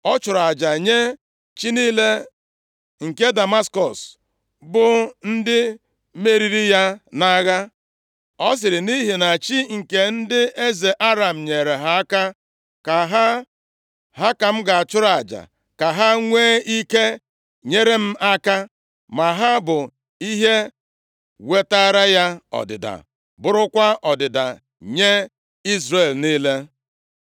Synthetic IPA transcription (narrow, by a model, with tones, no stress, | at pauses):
ɔ˦t͡ʃʊ˨ɾa˨d͡ʒa˨ɲe˦ | t͡ʃi˦niː˦le˦ | ŋ̩˨ke˦da˨ma˦skɔ˨s | bʊ˨n̩˦dɪ˦ | me˦ɾi˦ɾi˦ja˦na˦ɣa˦ | ɔ˦s̬ɪ˨ɾɪ˨ni˦ɦi˨na˨t͡ʃi˦ŋ̩˨ke˨n̩˦dɪ˦e˦ze˨ʔa˦ɾa˨m̩˨ɲe˨ɾe˨ɦa˦ka˦ | ka˨ɦa˦ | ɦa˦ka˨m̩˦ɡa˨a˨t͡ʃʊ˦ɾa˨d͡ʒa̰˨ | ka˨ɦa˦ŋʷeː˦i˦ke˦ | ɲe˦ɾe˦m̩˦ʔa˦ka˦ | ma˨ɦa˦bʊ˨ | i˦ɦe˦ | we˦ta˦ɾa˦ja˦ɔ̰˨dɪ̰˨da̰˨ | bʊ˦ɾʊ˦kʷa˦ɔ˨dɪ˨da̰˨ | ɲe˦ | i˦zɾe˨lni˦le˦